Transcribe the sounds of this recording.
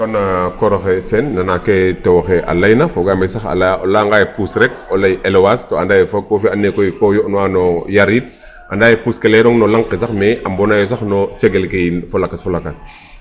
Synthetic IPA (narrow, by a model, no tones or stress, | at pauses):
tɔnakɔɾɔxɛsɛnːanakɛtɛwxɛʔa̰lajnafɔɡamɛsaxa̰lalaŋɡajpusɾɛk̚ɔlajʔɛlwastoandajɛfoofianːekojkɔjɔʔnɔwanɔjaɾit̚ | ʔandaːjepuskɛlɛɾɔŋnɔlaŋqes̬axmɛʔambɔnajɔs̬axnɔt͡ʃɛɡɛlkejfɔlakasfɔlakas